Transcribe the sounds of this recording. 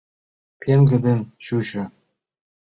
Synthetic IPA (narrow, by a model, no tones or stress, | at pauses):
pʲʰeŋɡɘ̆d̪ʲenɕuɕɤ̆